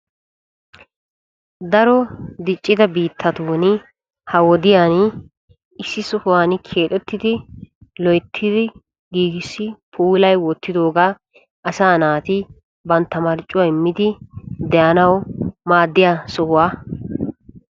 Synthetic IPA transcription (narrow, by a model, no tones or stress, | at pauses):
d̪ɐɾɔd̪ɪt͡ʃʼːɪd̪ɐbiːt̪ʰːɐt̪uːn | hɐwɔd̪ɪjaːn | ɪsːɪsɔhʊwaːnkʰeːt̪ʼɛt̪ːɪd̪ɪlɔjt̪ʰːɪd̪ɪ | ɡiːɡɪsːɪpʰuːlɐjwɔt̪ːɪd̪o̞ːɡaː | ʔɐsaːnaːt̪ɪ | bɐnt̪ːɐmɐɾt͡ʃʼːʊwaɪmːɪd̪ɪd̪ɛjɐnɐwmaːd̪ːɪjasɔhʊwaː